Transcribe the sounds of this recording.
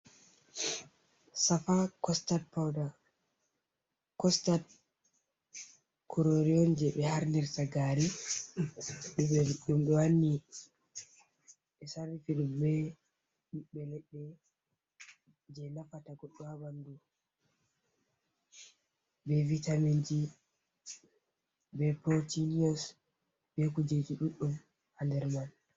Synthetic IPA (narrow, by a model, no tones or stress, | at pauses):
safakɔstad̚pawda | kɔstad̚ | kʰuɾoɾiɔnd͡ʒɛɓɛhaɾniɾtaɡaɾi | ɗuɛɗumɓɛwanːi | ɓɛsarːifiɗumbɛ | ɗuɓɛlɛɗːɛ | d͡ʒɛnafataɡɔɗːɔabandu | bɛvitamind͡ʒi | bɛpɔtiniɔs | bɛkud͡ʒed͡ʒiɗuɗːum | handɛɾman